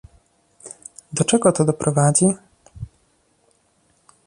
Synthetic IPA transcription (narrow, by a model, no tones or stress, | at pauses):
d̪ɔt͡ʂɛɡɔt̪ɔd̪ɔpɾɔvad͡ʑi